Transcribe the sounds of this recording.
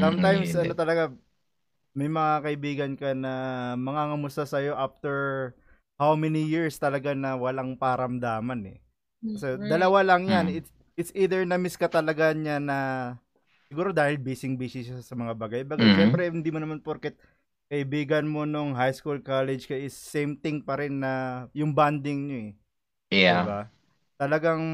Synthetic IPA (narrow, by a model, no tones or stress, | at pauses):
samt̪ajmsʔɐnot̪ɐlɐɡa | mɐjmɐŋakɐʔɪbiːɡɐnkɐnɐmɐŋaŋɐmʊst̪asɐjo̞ʔaft̪ɛɹ | hawmɛnijiɹst̪ɐlɐɡanɐwɐlaŋpɐɾɐmd̪aːmɐnɛ̰ | kɐsɛd̪ɐlɐwalɐŋjanɪt̪ | ʔɪt̪sʔiːd̪ɛɹnɐmɪskɐt̪ɐlɐɡaɲanɐ | sɪɡuːɾo̞d̪aːhɪlbiːsɪŋbiːsɪʃaasɐmɐŋabaːɡajbɐɡaʃɛmpɾɛhɪnd̪imonɐmanpoɾkɛt̪̚ | kɐʔɪbiːɡɐnmo̞noŋɦajskulkalɛd͡ʒkɐʔɪsːejmt̪ɪŋpɐɾɪnːɐjʊŋband̪ɪŋɲoɛ | aɪba | t̪ɐlɐɡaŋ